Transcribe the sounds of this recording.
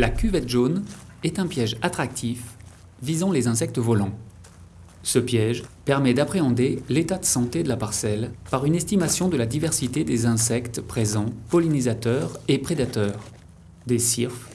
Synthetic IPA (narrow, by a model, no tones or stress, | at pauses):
lakʲyvɛt̪ʒonɛt̪ɛ̃pjɛʒat̪χak̚t̪ʰif | vizɑ̃lezɛ̃s̬ɛk̚t̪əvɔlɑ̃ | səpjɛʒpɛʁmɛd̪apχeɑ̃d̪elet̪ad̪əsɑ̃t̪ed̪əlapaʁsɛlpaʁynɛst̪imasjɔ̃d̪əlad̪ivɛʁsit̪ed̪ezɛ̃sɛkt̪pχezɑ̃pɔlinizat̪œʁepχed̪at̪œːʁ | d̪esiʁf